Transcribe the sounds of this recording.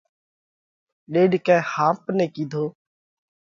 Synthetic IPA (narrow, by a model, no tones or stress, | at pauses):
ɗeːɖkɛ̃ːhãːpnẽːkiːd̪ʱoː